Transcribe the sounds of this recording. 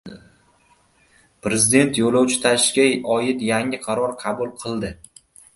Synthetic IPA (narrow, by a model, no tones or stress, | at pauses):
pɾe̞zɪd̪e̞nt̪ʰjolawt͡ʃʰɪ̥t̪ʰaʃkʲajɒjɪt̪jaŋɪqʰɑɾɒɾqʰɑbulˠqʰɨlˠd̪ɪ